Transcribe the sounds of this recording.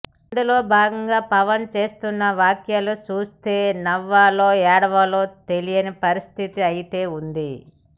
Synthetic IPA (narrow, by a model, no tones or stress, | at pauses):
ɐnd̪ulo̞ːbʱaːɡɐŋɡaːpɐʋɐnt͡ʃe̞ːst̪unːɐʋaːkjalut͡ʃuːst̪e̞ːnɐʋːaːlo̞ːɛːɽɐʋɐlo̞ːt̪e̞lijɐnipɐɾist̪ʰit̪iɐjit̪e̞ːund̪i